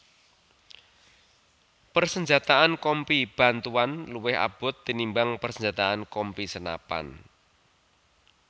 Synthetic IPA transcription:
pərsəɲd͡ʒat̪aankɔmpib̥a̤nt̪uanluwɪha̰b̥ʊ̤t̪ːinimbaŋpərsəɲd͡ʒat̪aankɔmpisəna̰pa̰n

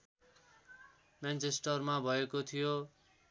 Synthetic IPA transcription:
mant͡sesʈʌrmabʱʌekot̪ʰijo

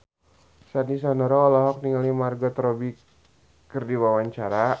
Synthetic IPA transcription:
sanisanɔɾɔːlɔɦɔk̚niŋalimarɡɔt̪ɾɔbi | kɨrdiwawaɲt͡ʃaɾa

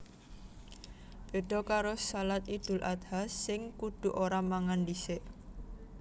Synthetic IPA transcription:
b̥e̤ɖ̥ɔ̤kaɾosalat̪id̪̥ʊ̤lʔad̪hasːɪŋkud̪̥ṳʔoɾamaŋandiseʔ

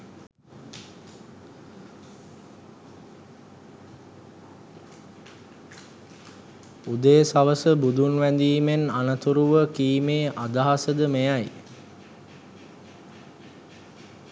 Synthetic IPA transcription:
ud̪əjsaʋəsəbud̪unʋænd̪iːmenanət̪uɾuʋəkiːmeːʔad̪aɦasəd̪əmejaj

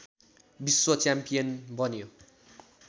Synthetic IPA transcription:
biswʌt͡sjampijʌnbʌnjo

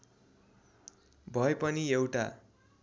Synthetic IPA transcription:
bʱʌepʌniewʈa̰

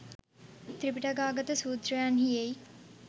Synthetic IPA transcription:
t̪ɾɪpɪʈaɡaːɡət̪suːd̪ɾəjaːnɦiei

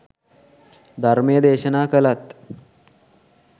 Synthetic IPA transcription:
d̪ʱaɾmijəd̪eːɕənaːkəlat̪

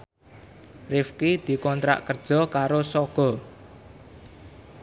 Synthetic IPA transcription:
rɪfkid̪̥i̤kɔnt̪ɾa̰ʔkərd̥ʒ̥ɔ̤kaɾosɔɡ̥ɔ̤

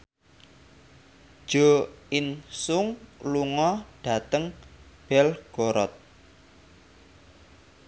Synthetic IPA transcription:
ʒ̥oinsʊŋluŋɔɖ̥a̤t̪əŋb̥ɛlɡ̥oɾɔ̰t̪̚

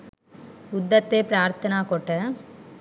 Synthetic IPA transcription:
ʊd̪ːɐt̪ːeːpɾaːɾt̪ɐnaːkoːʈːɐ

